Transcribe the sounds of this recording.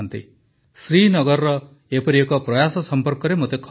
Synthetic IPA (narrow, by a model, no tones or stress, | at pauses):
nt̪ḭ | sɾinɔɡɔɾɾɔ | epɔɾiekɔpɾɔjasɔsɔmpɔɾkɔɾemot̪ekʰ